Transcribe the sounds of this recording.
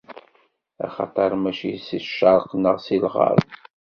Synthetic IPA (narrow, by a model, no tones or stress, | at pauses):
æ̰χɑt̪ˤɑɾˤmæʃisiʃɑɾˤqnəʁsilʁɑ̰ɾˤ